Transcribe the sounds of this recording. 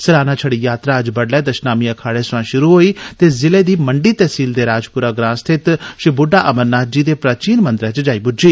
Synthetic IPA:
səɾaːnãːt͡ʃʰəɽiːjaːt̪ɾaːəd͡ʒbəɽlɛːd̪əʃnaːmiːəkʰaːɽeːsʋãːʃʊɾuːɦoːiːt̪eːzɪleːd̪iːməɳɖiːt̪ɛːsiːld̪eːɾaːd͡ʒpʊɾaːɡɾãːst̪ʰɪt̪ʃɪbʊɖaːʔəməɾnaːd͡ʒiːd̪eːpɾaːt͡ʃiːnmənd̪ɾɛ̃ːt͡ʃd͡ʒaːiːbʊd͡ʒiː

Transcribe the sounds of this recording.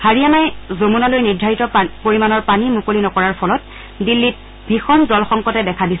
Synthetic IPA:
haɹianajzomunalojniɹdʱaɹitɔpoɹimanɔɹpanimukolinɔkɔɹaɹpʰɔlɔt̚ | dilːit̚ | bʱixɔndɔlxɔŋkɔtɛdɛkʰadisɛ

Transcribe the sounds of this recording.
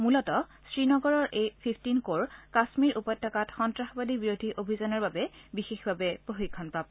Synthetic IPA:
mulɔtɔsɹinɔɡɔɹɔɹʔejpʰipʰtinkoɹkasmiɹʔupɔjtʰːɔkatxɔntɹaxɔbadibiɹodʱiʔobʱizanɔɹbabɛbixexbʱabɛpɹoxikʰːɔnpab̚

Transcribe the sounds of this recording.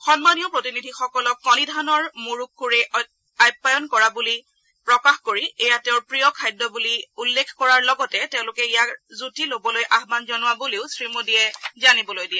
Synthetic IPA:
xɔnmanijɔpɹotinidʱixɔkɔlɔkːɔnidʱanɔɹmuɹukːuɹɛ | ajpːajɔnkɔɹabuli | pɹɔkaxkoɹiejatẽʊɹpɹijɔkʰːajdɔbuliulːekʰkɔɹaɹlɔɡɔtɛteʊ̃lʊkɛijakzutilobɔlojʔaɦmanzɔnʊwabuleʊsɹimudiɛzanibɔlojdiɛ

